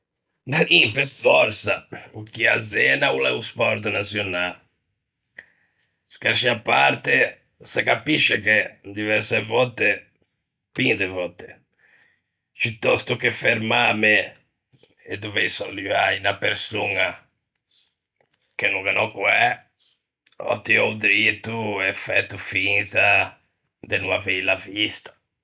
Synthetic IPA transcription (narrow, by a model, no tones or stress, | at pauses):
naimpɛsfɔɾsaukːia̰zɛːnaulɛ̰uspɔɾt̪nasjɔna | skaɾʃiapːa̰ɾt̪ɛ | sɛkapiʃːɛked̪ivɛɾsɛvɔt̪ːe | pind̪ɛvɔt̪ːe̥ | put̪ːɔst̪ukefeɾmame | ed̪uvejsɔlːivainapeɾsuna | k̟enːuŋkanɔkuɛ | ɔ̰t̪ːiɔwd̪ɾit̪uɛfɛt̪ːufint̪a | d̪enuavɛilavist̪ḁ